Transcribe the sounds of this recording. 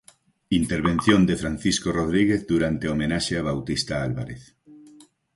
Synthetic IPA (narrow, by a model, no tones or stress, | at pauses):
int̪eɾβ̞ẽn̟θjond̪efɾanθiskoroð̞ɾiɣ̞eθðuɾant̪eomenaʃeaβ̞awt̪ist̪aalβa̰ɾeθ